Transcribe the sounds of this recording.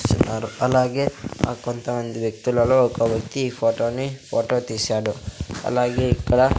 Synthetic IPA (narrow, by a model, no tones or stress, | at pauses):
t͡ʃinːaːɾuɐlːaːɡea̰ːkont̪ɐʋɐnd̪uʋjɐk̚t̪ilɐluokɐʋjɐk̚t̪ipʰoːʈoːnːipʰoːʈoːt̪isaːɽuɐ̰lːaːɡeikːɐɽɐ